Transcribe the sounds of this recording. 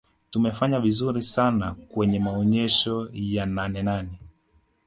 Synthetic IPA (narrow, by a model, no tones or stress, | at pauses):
tumɛfaɲavizuɾisanakwɛɲɛmaɔɲɛʃɔjananɛnanɛ